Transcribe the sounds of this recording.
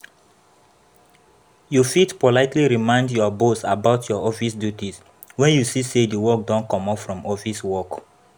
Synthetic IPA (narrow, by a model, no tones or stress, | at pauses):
jufitpɔlaɪtʰliɹimãɪ̃ndjɔbosabaʊtʰjɔɔfisdjutis | wɛ̃njusisediwɔk̚dɔ̃nkɔ̃mɔpfɹɔ̃mɔfiswɔk